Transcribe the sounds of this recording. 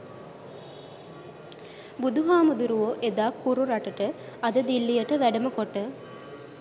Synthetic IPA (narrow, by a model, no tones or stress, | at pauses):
bud̪uɦaːmud̪uɾuʋoʔed̪aːkːuɾuɾaʈəʈəɐd̪əd̪ilːijəʈəʋæɖəmukoʈːə